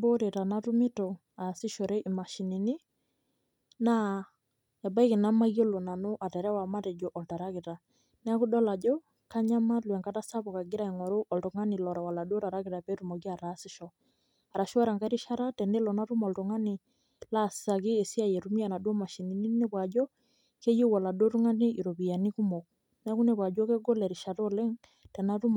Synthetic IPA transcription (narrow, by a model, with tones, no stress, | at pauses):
bo˦ɾe˨ta˨na˦tu˦mɪ˦to˨ | a˨sɪ˦ʃɔ˨ɾɛ˦ʔi˨ma˨ʃi˨ni˨nɪ˦ | na˦ | a˨ba˦i˦kɪ˨na˦ma˦jo˦lo˨na˨no˦ʔa˨tɛ˨ɾɛ˦wa˨ma˦tɛ˨d͡ʒo˨ʔɔ˨lta˨ɾa˦ki˨ta˨ | nɛ˦ku˦dɔ˦la˨d͡ʒo˦ | ka˦ɲa˦ma˦lwɛ˨ŋka˦ta˦sa˦pɔ˨ka˨ɡɪ˦ɾa˦i˨ŋɔ˨ɾo˦ʔɔ˨lto˨ŋa˦nɪ˨lɔ˨ɾa˨wa˨la˨do˦ta˨ɾa˦kɪ˨ta˨pɛ˦tu˨mɔ˨ki˦a˨ɾa˨˦sɪ˦ʃɔ˨ | a˨ɾa˨ʃa˦ɾa˨ŋka˦ɾi˦ʃa˦ɾa˦tɛ˨ne˦lɔ˨na˦ɾu˦mɔ˨lto˨ŋa˦nɪ˨ | la˦˨ssa˨kɪ˦e˨si˦a˦˨jɛ˨ɾu˦mi˦a˨na˨dɔ˦ma˨ʃi˨ni˨ni˦ne˦pwa˨d͡ʒɔ˦ | ke˦je˦wa˨la˨do˦ɾu˦ŋa˦ni˦ʔi˨ɾo˨pi˨ja˨ni˦ku˦mɔ˨ | nɛ˦a˦ku˦ne˨pwa˨d͡ʒɔ˦ke˦ɡo˦lɛ˨ɾi˨ʃa˨to˦le˦ŋ | tɛ˨na˦tu˦m